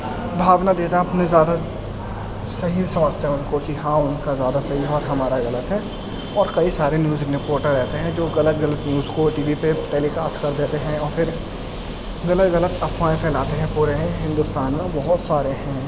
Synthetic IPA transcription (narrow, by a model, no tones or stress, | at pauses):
bʱaːʋnad̪eːt̪aɐpnẽzjaːd̪a | sɐɦisɐməʃt̪eɦʊnkokiɦãːʊnkazjaːd̪asɐɦiɦɛɔːɾɦɐmaːɾaɣɐlət̪ɦɛː | ɔːɾkɐisaːɾenjuːznɪpoːɾʈəɾɾɛɦt̪eɦɛ̃d͡ʒoːɣɐlət̪ɣɐlət̪njuːzkoʈiːʋipeʈeːlikaːskɐɾd̪eːt̪eɦɛ̃ɔːɾfʰɪɾ | ɣɐlət̪ɣɐlət̪ɐpmãːẽkʰɛːlaːt̪eɦɛ̃puːɾeɦɪ̃nd̪ʊst̪aːnmẽbɐɦʊt̪saːɾeɦɛ̃ː